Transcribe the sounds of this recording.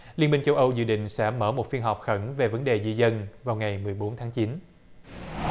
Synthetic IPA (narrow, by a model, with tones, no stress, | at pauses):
li˧ənmï˧ŋ̟t͡ɕə˧wʔə˧wzɨ̰˧˨ɗḭ̈˧˨ŋ̟sɛ̰˧˥məː˧˩mo˨˩t̚fi˧ənɦɔ˨˩wk͡p̚xə˧˩nve˨˩və˨˦nɗe˨˩zi˧zə˧nvaː˨˩wŋa˨˩jmɨ˨˩əjɓo˨˦nt̪ʰaː˨˦ŋt͡ɕi˨˦n